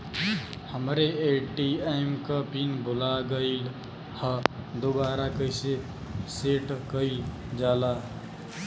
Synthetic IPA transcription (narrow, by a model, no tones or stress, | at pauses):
həmɾeeʈieɪmkəpinbʱolaɡəɪl | həd̪obaɾakəɪse | seʈkəɪl | d͡ʒala